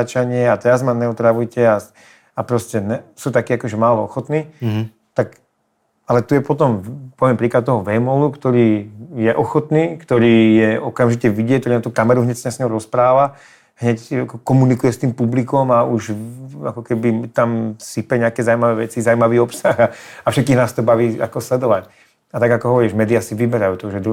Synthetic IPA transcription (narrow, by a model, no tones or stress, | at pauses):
at͡ʃaɲɪɛat̪ɛɾazmanɛɔt̪ɾaʋujcɛa | apɾɔscɛnɛsuːt̪akiːakɔʒɛmaːlɔɔxɔt̪niː | t̪ak | alɛt̪ujɛpɔt̪ɔmpɔʋɪɛmpɾiːklat̪̚t̪ɔɦɔʋɛmɔlukt̪ɔɾiːjɛʔɔxɔt̪niːkt̪ɔɾiːjɛɔkamʒicɛʋiɟɪɛc̚t̪ɔɾinat̪uːkamɛɾuɦɲɛcsɲɛsɲɔʊɾɔspɾaːʋa | ɦɲɛcakɔkɔmunikujɛst̪iːmpublikɔmauʃakɔkɛbit̪amsipɛɲɛakɛzawumaʋɛʋɛt͡sizawumaʋiːɔpsaxaafʃɛt̪̚kiːɣnaːst̪ɔbaʋiːa̰kɔslɛd̪ɔʋac | at̪aɡakɔɦɔʋɔɾiːʒmɛːd̪iasiʋibɛɾajuːt̪ɔʒɛd̪